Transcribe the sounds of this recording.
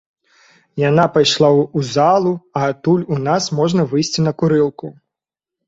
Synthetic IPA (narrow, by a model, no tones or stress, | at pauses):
janapajʂlˠaːzalˠuɐːt̪ulʲunasmɔʐnɐvɨjsʲt͡sʲinɐkuɾɨlˠku